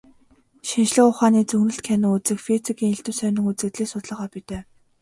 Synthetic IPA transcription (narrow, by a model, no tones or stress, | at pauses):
ʃinʃɮɘ̆kʊχaːniːt͡sɵɣnɵ̆ɬt̪kʰænɪ̆ŋut͡sɘ̆kfet͡sikiːŋeɬt̪ɘ̆wsœnɪ̆ŋutt͡sɘ̆kt̪ɮeːsʊt̪ɮə̆ʁɔːpit̪eː